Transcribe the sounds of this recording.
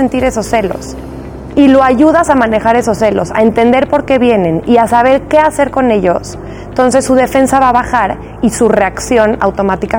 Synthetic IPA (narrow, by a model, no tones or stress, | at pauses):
ent̪iɾe̞so̞sːe̞lo̞̰s | ilo̞aʝuð̞asamãne̞xaɾe̞so̞sːe̞lo̞sa̰ent̪e̞nd̪e̞ɾpo̞ɾke̞βje̞ne̞niasaβ̞e̞ɾke̞ase̞ɾko̞ne̞ʎo̞s | ent̪o̞ns̬e̞sːuð̞e̞fe̞nsaβaβaxaɾ | isure̞aksjo̞na̰wt̪o̞mat̪ika